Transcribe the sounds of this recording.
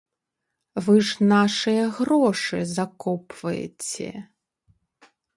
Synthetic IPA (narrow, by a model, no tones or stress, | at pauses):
vɨʐnaʂɨjɐɣɾɔʂɨzakɔpvɐjɛ̰t͡sʲɛ̰